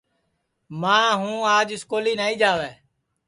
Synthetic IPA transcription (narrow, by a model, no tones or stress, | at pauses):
mãːɦũːaːd͡ʒɪskoːliːnaːĩːd͡ʒaːʋɛː